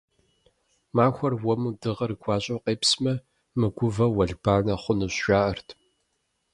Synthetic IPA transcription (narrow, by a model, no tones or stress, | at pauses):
maːxʷɐrwɔmudɨʁɐrɨɡʷʰɑːɕʼowqeːpsmɐ | mɨɡʷʊvɐwɐɮbaːnɐχʷʊnɨɕʃaːʔɐrtʰ